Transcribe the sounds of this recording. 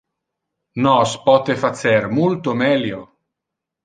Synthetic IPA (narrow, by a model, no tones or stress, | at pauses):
nɔspɔːt̪efat͡ʃːermult̪omɛːljo